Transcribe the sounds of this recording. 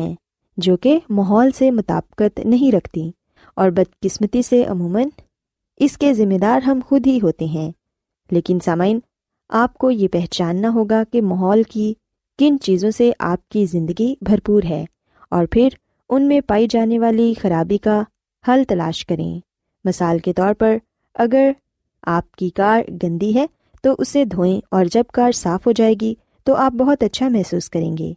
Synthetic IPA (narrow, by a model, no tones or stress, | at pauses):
ɛ̃ | d͡ʒoːkemaɦɔːlsemʊt̪a̰ːbkət̪nɐɦĩɾɐkʰt̪i | ɔːɾbɐd̪kɪsmət̪iseʔɐ̰muːmən | ɪskezɪmːed̪aːɾɦɐmxʊd̪ʱɦiɦoːt̪eɦɛ̃ː | leːkɪnsaːmaːɪn | aːp̚kojepɛɦt͡ʃaːnːaɦoːɡakemaɦɔːlki | kɪnt͡ʃiːzõseʔa̰ːp̚kizɪ̃nd̪əɡibʱɐɾpuːɾɦɛː | ɔːɾpʰɪɾ | ʊnmẽpaːid͡ʒaːneʋaːlixɐɾaːbika | hɐlt̪ɐla̰ːʃkɐɾḛ̃ː | mɐsaːlket̪ɔːɾpɐɾ | ɐɡəɾ | aːp̚kikaːɾɡɐ̃nd̪iɦɛː | t̪oʔʊsed̪ʱõːẽɔːɾd͡ʒɐb̚kaːɾsaːfɦod͡ʒaːeːɡi | t̪oʔaːp̚bɐɦʊt̪ɐtːʃʰamɛɦsuːskɐɾḛ̃ːŋɡḛː